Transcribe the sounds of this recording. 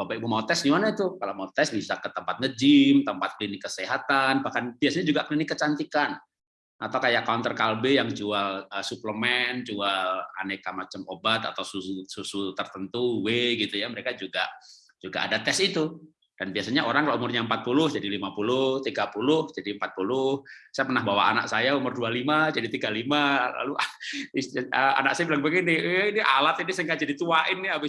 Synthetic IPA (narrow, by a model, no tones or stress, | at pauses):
babaibumaut̪ɛsɲimanait̪ukalamaut̪ɛsbisakət̪əmpat̪̚ŋəd͡ʒimt̪əmpat̪̚klinɪkːəseɦat̪anbahkanb̥iasaɲad͡ʒuɡaklinɪkːət͡ʃant̪ikan | ʔat̪awkajakaunt̪ərkalbejaŋd͡ʒualəsupləmɛnt͡ʃuala̰nekamat͡ʃəmobat̪a̰t̪awsususut̪ərt̪ənt̪uweɡit̪ujaməɾekad͡ʒuɡa | d͡ʒuɡa̰ʔa̰dat̪ɛsit̪u | d̥anbiasaɲaʔoɾaŋkaloʔumʊrɲaəmpat̪̚pulʊhd͡ʒadilimapulʊht̪iɡapulʊhd͡ʒadimpat̪̚pulʊhsajapərnahbawa̰ʔa̰na̰ksajaumʊrdualimad͡ʒadit̪iɡalimala̰luiəa̰nak̚sajabilaŋbəɡinɪhinialat̪inisəŋkad͡ʒadit̪uaʔɪnːɪabɪ